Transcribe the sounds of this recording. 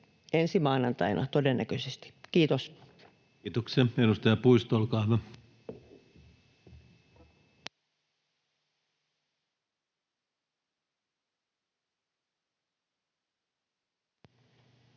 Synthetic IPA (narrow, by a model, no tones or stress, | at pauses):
ensimɑːˑinɑnt̪ɑ̰inʔɑ̰t̪odenːækøsest̪i̥kiːt̪osː | t̪okseenust̪ɑjɑpuist̪olkɑːʋɑ